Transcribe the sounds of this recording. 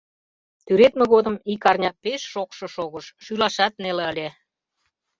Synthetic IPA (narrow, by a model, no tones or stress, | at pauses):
t̪yɾet̪meɣod̪ə̆mikɑrnʲɑpeʃːokʃɤ̆ʃoɣəʃʃylɑʃɑt̪̚neleəlʲe